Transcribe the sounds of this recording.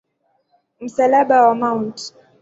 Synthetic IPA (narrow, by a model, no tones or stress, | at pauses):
m̩salaɓawamaunt